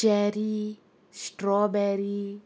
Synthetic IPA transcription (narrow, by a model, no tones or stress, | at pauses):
ɛɾi | sʈɾɔbɛɾi